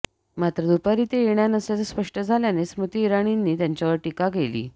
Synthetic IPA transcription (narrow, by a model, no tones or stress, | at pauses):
mat̪ɾəd̪upaɾit̪ejeɳjanəsjat͡saspəʂʈəd͡zʱaljanesmut̪iːɾaɽ̃inːiːt̪jaɲt͡ɕjaʋəɾʈikaɡelḭː